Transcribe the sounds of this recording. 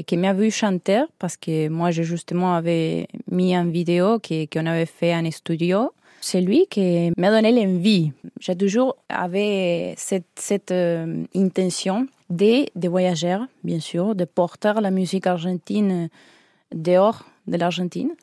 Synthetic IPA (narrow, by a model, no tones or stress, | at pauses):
kemavyʃɑ̃nt̪ɛʁpaʁskemwaʒeʒyst̪əmɑ̃avemiɛ̃vid̪eokʰekõnavefeãnest̪yd̪jo | selɥikemad̪onelɛ̃viʒ̥et̪̬uʒuʁa̰vesɛt̪sɛt̪ɛ̃nt̪ɛ̃nsjɔ̃ | d̪ed̪evwajaʒɛʁbjɛ̃syʁd̪epɔʁt̪ɛʁlamyzikaʁʒɑ̃nt̪in | d̪eɔʁ | d̪əlaʁʒɑ̃nt̪ḭn